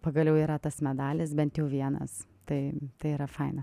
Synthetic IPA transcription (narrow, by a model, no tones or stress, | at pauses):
pɐɡɐlʲjɛʊiːɾɐt̪ɐsmʲɛd̪ɑːlʲɪsbʲɛnt̪jɛʊʋʲiɛnɐ̰s | t̪ɐɪt̪ɐɪiːɾɐfɐɪnɐ